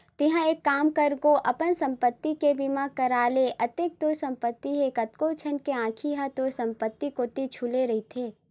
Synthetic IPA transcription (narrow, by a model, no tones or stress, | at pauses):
t̪ɪɦãeːkːaːmkəɾɡoʔɐpənsɐ̃mpət̪ːikebimãkɐɾaːleʔɐt̪ek̚t̪oːɾsɐ̃mpət̪ːiɦeːkɐt̪koːt͡ʃʰənkeãːkʰiɦat̪oːɾsɐ̃mpət̪ːikoːt̪it͡ʃʰuleɾɐɦit̪ʰeː